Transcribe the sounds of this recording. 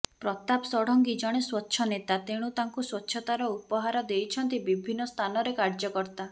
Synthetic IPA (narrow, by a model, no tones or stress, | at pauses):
pɾɔt̪apsɔɽ̤ɔŋɡid͡ʒɔɽ̃eswɔtːʃʰɔnet̪at̪eɽ̃ut̪aŋkuswɔtːʃʰɔt̪aɾɔupɔɦaɾɔd̪ejt͡ʃʰɔnt̪ibibʱinːɔst̪ʰanɔɾekaɾd͡ʒɔkɔɾt̪a